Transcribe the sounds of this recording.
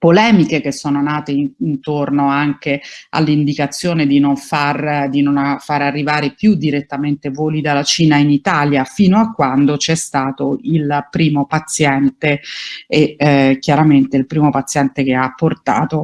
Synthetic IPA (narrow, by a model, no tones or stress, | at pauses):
polɛːmikek̟esːoːnonaːt̪einnt̪ornoaŋkea̰lːind̪ikat̪sːjoːned̪inoɱfard̪inonafaɾarːivaːɾepjud̪iɾet̪ːament̪evoːlid̪alːat͡ʃiːnainit̪aːljafiːnoakːwand̪ot͡ʃɛst̪aːt̪oilpɾiːmopat̪sːjɛnt̪eekjaɾament̪eilpɾiːmopat̪sːjɛnt̪ekeapːort̪a̰ːt̪o